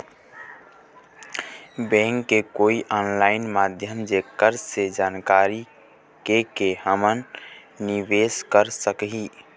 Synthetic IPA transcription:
bɛ̃ŋkːekoːiʔɔːnlaːɪnmad̪ʱjəmd͡ʒekəɾssed͡ʒaːnkaɾi | kekeɦəmənː | iʋeskəɾsəkɦi

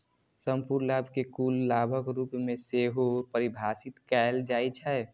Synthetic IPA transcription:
səmpuɾlabʱkekuːlːabʱəkɾupmẽseɦopəɾibʱaːsɪt̪kɛld͡ʒaːit͡ʃʰɛ

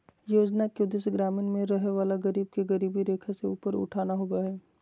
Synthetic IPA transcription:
joːd͡ʒnakeʊd̪eseɡɾaːmɪnmẽɾɐɦeʋaːlaɡɐɾiːb̚keɡɐɾiːbiɾeːkʰaseuːpəɾʊ̰ʈʰaːnaɦoːɡaɦɛː

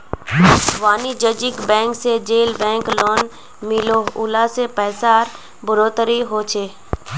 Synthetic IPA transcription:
ʋaːnid͡ʒəd͡ʒɪkbɛ̃ːŋksed͡ʒeːlbɛ̃ːŋkloːn | mɪloːʊ̰laːsepɛːsaːɾ | bʊɾoːt̪əɾiɦoːt͡ʃʰeː

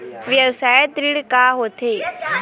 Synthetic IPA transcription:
ʋjəbsaːjət̪ɾiɽkaːɦoːt̪ʰeː

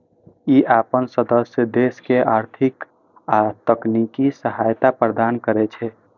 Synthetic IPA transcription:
iʔapənsəd̪əsjəd̪eskeʔaːɾt̪ʰɪk | at̪əknikisəɦajt̪apɾəd̪aːnkəɾɛt͡ʃʰɛ

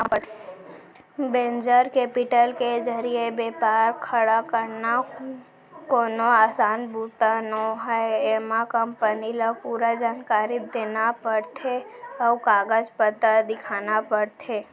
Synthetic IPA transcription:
bẽːnd͡ʒəɾkeːpɪʈəlked͡ʒəɾiebeːpaːɾkʰəɽakəɾna | koːnoaːsaːnbut̪anoɦɛemãkə̃mpənilapuːɾad͡ʒaːnkaːɾid̪eːnapəɽt̪ʰeəʋkaːɡəd͡ʒpət̪ad̪ɪkʰaːnapəɽt̪ʰeː

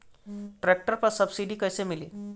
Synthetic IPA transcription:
ʈɾɛk̚ʈəɾpəɾsəbsiɖiːkəjsemilḭː

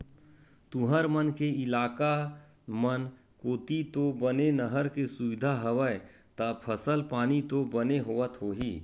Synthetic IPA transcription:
t̪ʊɦəɾmənkeɪlaːka | mən | koːt̪it̪obənenəɦəɾkesʊʋɪd̪ʱaɦəʋəe | t̪ɐpʰəsəlpaːnit̪obəneɦoːət̪ɦoːɦiː

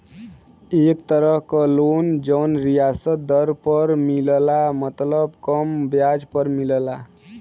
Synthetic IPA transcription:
ek̚t̪əɾəɦkəlond͡ʒənɾijasət̪̚d̪əɾpəɾmillamət̪ləbkəmbjad͡ʒpəɾmiləla

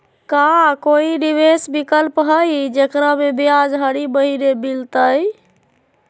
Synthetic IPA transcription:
kakoiɖibesbikəlpɦəjd͡ʒekɾamebijad͡ʒɦəɽibəɦiɾebilt̪əj

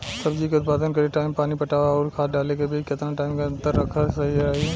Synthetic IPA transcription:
sɐbd͡ʒikʊt̪̚paːd̪ənkɐɾeʈaːɪmpaːnipɐʈaːʋaɔːɾkʰaːt̪̚ɖaːlekebʱikɪt̪naʈaːɪmkaɐ̃nt̪əɾːɐkʰasɐɦiaːɦe

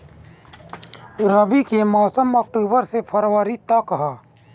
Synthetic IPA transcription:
ɾəbikemɔːsəmɔːk̚ʈoːbəɾsepʰəɾwəɾit̪akəɦaː

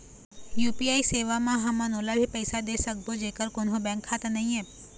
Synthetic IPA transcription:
jupiaiseʋamãɦəmãnolabʱipəɪsad̪esək̚bʱod͡ʒekəɾkonɦõbɛ̃ŋkʰːat̪anɐɦĩe

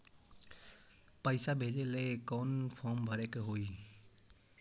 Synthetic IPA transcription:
pəjsabʱed͡ʒelekɔnpʰɔmbʱəɾekɦoj

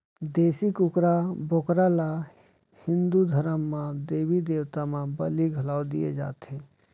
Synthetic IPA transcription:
d̪eːsikʊkɾabokɾala | hɪ̃nd̪ud̪ʱəɾəmːãd̪eːbid̪eːwt̪amãbəliɡʱəlaːod̪ijed͡ʒa̰ːt̪ẽ

